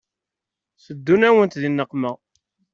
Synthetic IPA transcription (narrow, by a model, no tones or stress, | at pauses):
səd̪ːunæwənt̪ðinːəqːmə